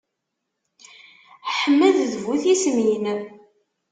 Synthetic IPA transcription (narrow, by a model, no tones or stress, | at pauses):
ħəmːəððvuθismjnə